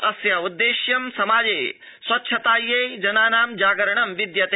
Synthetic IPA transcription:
ɐsjaːud̪ːeːʃjɐmsɐmaːd͡ʒeːj | swɐtːʃʰɐt̪aːjːejd͡ʒɐnaːnaːmd͡ʒaːɡɐɾɐɳɐmʋid̪jɐt̪e

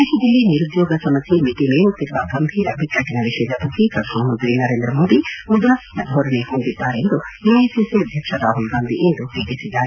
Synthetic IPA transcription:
eːʃɐd͡ʒ̪ilːiniɾud̪jɔːɡɐsɐmɐsimiʈ̪ineːʋut̪ːiɾuʋɐɡɐmbʱiːɾɐbʱik̪ːɐʈːinɐʋiʃɛːd͡ʒɐt̪ɐikɐd̪ʰʱɐmɐɦond̪ʋinɐɾeːnd̪ɾɐmo̞ːd̪imud̪ɾasnɐd̪ʱoːɾɐnehond̪id̪ːaːɾeːnd̪ueeːsisiɐd̪ʱjɐkʂɐd̪aːɦulɡaːnd̪iʔend̪uʋʱeːɡisid̪ːaːɾe

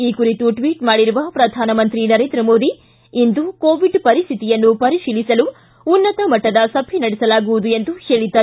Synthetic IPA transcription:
iːkuɾit̪uʈʋiːʈmaːɽiɾuʋɐpɾɐd̪ʱaːnɐmɐnt̪ɾinɐɾeːnd̪ɾɐmo̞ːd̪i | ind̪ukoːʋiɖpɐɾist̪ʰit̪ijɐnːupɐɾiʃiːlisɐluː | nːɐt̪ɐmɐʈːɐd̪ɐsɐbʱinɐɽɛsɐlaːɡuʋud̪ue̞nd̪uheːɭit̪ːɐ

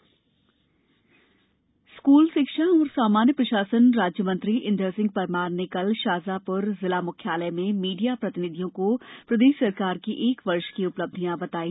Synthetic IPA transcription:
skuːlʃɪkʃaɔːɾsaːmaːnjəpɾɐʃaːsənɾaːd͡ʒjəmə̃nt̪ɾiʔɪ̃nɖ̪əɾsɪ̃ŋɡ̚pɐɾmaːɾnːekɐlʃaːzapʊɾzɪlamʊkʰjaːləmẽmiːɖijapɾɐt̪ɪnɪd̪ʱjõkopɾɐd̪eːʃsɐɾkaːɾkiʔeːkʋɐɾʃkiʊpləb̚d̪ʱijãbɐt̪aːiː

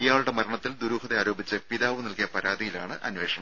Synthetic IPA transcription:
ijaːɭuɽe̞mɐɾɐɳɐt̪ːild̪uɾuːhɐðeaːɾo̞ːbit͡ɕːɨpiðaːʋunɐlkijɐpɐɾaːðijilaːɳɨʔʔɐ̰nʋe̞ːʂɐɳɐm

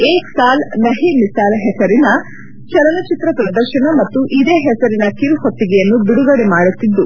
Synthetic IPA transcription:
eːsaːlnɐɦimisaːlɦɛsɐɾinɐ | t͡ʃɐɾɐnɐt͡ʃit̪ɾɐpɾɐd̪ɐɾʃɐɳɐmɐt̪ːuʔid̪eːɦɛsɐɾinɐkiɾhot̪ːiɡɛjɐnːubiɽuɡɐɽɛmaːɽut̪ːid̪ːu

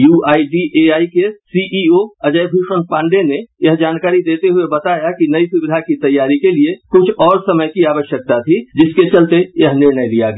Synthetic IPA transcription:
juːaːiɖiʔeaːikesiʔioɐd͡ʒəjbʱuːʃənpãːɳɖenejɐɦd͡ʒaːnkaːɾid̪eːt̪eɦʊebɐt̪aːjakinɐisʊbɪd̪ʱakit̪ɐjːaːɾikeliekʊt͡ʃʰɔːɾsɐməjkiaːʋəʃjək̚t̪at̪ʰid͡ʒɪsket͡ʃɐlt̪ejɐɦnɪɾnəjlija̰ɡ

